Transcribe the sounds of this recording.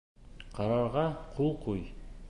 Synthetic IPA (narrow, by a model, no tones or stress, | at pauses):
qʰɑɾɑɾʁɑqʰolˠqʰuj